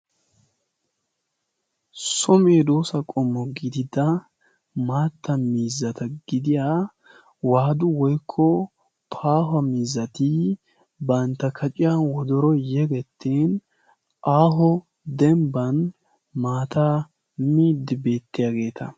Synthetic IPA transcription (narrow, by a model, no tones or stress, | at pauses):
sɔmeːd̪oːsɐkʼɔmːɔɡɪd̪ɪd̪ɐ | maːt̪ːɐmiːzːɐt̪ɐɡɪd̪ɪja | waːd̪ʊwɔjkʰːɔ | pʰaːɦɐmiːzːɐt̪ɪ | bɐnt̪ːɐkʰɐt͡ʃʼɪjɐnwɔd̪ɔɾɔjɛɡɛt̪ʰːeːn | ʔaːɦɔ | d̪ɛmbɐn | maːt̪a | miːd̪ːɪbe̞ːt̪ːɪjaːɡe̞ːt̪ʰɐ̰